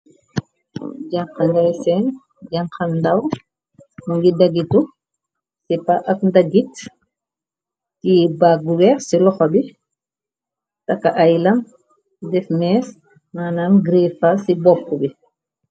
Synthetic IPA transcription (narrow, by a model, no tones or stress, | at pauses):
ɟaŋxɐndɐjsɛn | ɟaŋxɐndɐw | muŋɡidɐɡitu | sipaʔɐkndɐɡit | tibaɡuwɛːɾsilɔxɐbi | tɐkːɐʔɐjlɐn | dɛfmɛːs | maːnanɡɾiːfasibɔpkubi